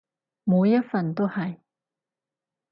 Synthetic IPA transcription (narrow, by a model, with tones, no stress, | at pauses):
mu˨˧wjɐ˥t̚fɐ˨nt̪o˥whɐ˨j